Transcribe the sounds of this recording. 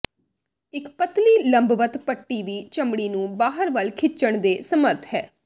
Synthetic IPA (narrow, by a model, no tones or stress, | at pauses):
ɪkpət̪liːləmbʋət̪pəʈːiːʋiːt͡ʃəmɽiːnũːbaːɦəɾʋəlkʰɪt͡ʃəɳ̃d̪eːsəməɾt̪ʰɦɛː